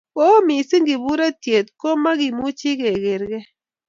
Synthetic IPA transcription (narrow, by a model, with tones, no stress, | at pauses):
o˦mi˨si˦ŋɡi˨βu˦ɾa˦tje˨t̪̚ko˦ma˦ɣi˨mu˦t͡ʃi˦kɛ˨ɣe˨ɾɣɛ˦